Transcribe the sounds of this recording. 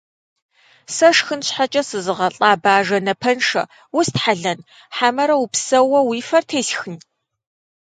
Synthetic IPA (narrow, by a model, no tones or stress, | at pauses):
sɐʂxɨnɕħat͡ʃʼɐsɨzɨʁɐɬʼaːbaːʒɐnɐpʰɐnʂɐ̰ | wʊstħaɮɐn | ħamɐɾɐwupsɐwɐwiːfɐrtʰeːɬxɨn